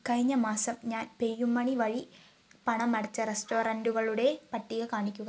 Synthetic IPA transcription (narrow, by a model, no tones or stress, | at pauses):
kɐɻiɲːɐmaːsɐmɲaːnpejːumːɐɳiʋɐɻi | pɐɳɐmːɐɽɐt͡ɕːɐɾesʈoːɾɐɳɖuɣɐɭuɽe̞pɐʈːiɣɐkaːɳikʲːuɣɐ